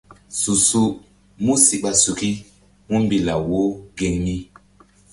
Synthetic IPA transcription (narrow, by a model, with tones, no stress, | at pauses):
su˨su˦ | mu˦si˨ɓa˨su˨ki˦ | mu˦mbi˨la˨wo˦ɡe˨ŋmi˦